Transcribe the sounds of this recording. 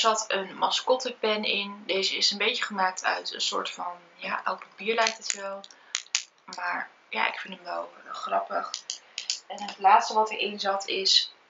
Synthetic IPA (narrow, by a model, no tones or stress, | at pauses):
zɑtənmɑskɔtəpɛnɪndejzəɪsənbejt͡ʃəχəmaːk̚tʰœ̰ɥtə̰nsʊ̰ːɹtfɑn | jaːʔɛwk̚pɑpiːɹlɛjk̚tətʋɛlˠ | maːɹ | ja̰ːʔɪ̰kfɪntəmʋɛlˠχrɑpəχ | ɛnətlaːtstəʋɑtəɹɪnzɑtʰɪs